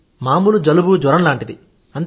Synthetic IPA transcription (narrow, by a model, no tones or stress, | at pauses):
maːmulud͡ʒɐlubud͡ʒʋɐɾɐmlaːɳʈid̪i | ɐnt̪